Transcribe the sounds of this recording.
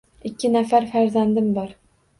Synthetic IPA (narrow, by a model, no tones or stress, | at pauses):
ɪkʲʰːɪnafaɾfæɾzand̪ɪmbɒɾ